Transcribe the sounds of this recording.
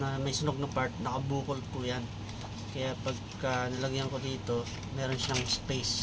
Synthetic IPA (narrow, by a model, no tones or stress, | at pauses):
nɐmɐjsɪnoɡ̚nɐpaɹt̪̚nɐkɐbuːkʊlpujan | kɐjaʔpɐɡ̚kɐnɪlɐɡjaŋkod̪iːt̪o̞ | mɛːɾo̞nʃɐŋspejs